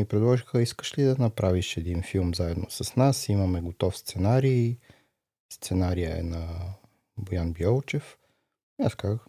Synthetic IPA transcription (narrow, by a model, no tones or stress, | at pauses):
ipɾɛd̪lˠɔʒixəiskə̥ʃlid̪ɐnɐpɾʔaviʃɛd̪infilˠmzaɛd̪nosɐsnasimɐmɛɡot̪ɔfst̪sɛnaɾiː | st̪sɛnaɾijəɛ̰nɐ | bojanbjɔlˠt͡ʃɛf | nɛska